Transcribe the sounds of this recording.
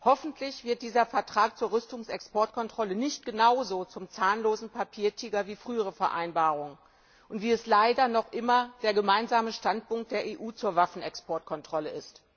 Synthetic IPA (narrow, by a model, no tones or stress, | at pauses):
hɔfn̩tʰlɪçv̥ɪɐt̚d̥iːzɐfɛɐtʁ̥aːk̚t͡suːɐʁʏstʊŋsɛkspɔɐtkʰɔntʁ̥ɔlənɪçt̚ɡ̥ənaʊzoːt͡sʊmt͡saːnloːzn̩pʰapʰiːɐtʰiːɡɐviːfʁ̥yːəʁ̞əfɛɐʔa̰ɪnbaːʁʊŋə | ʔʊntv̥iːɛslaɪdɐnɔχʔɪmɐd̥eːɐɡəmaɪnzaːməʃtant̚pʊŋk̚t̚d̥eːɐʔeːʔuːt͡suːɐvafn̩ɛkspʰɔɐtkʰɔntʁ̥ɔləʔɪst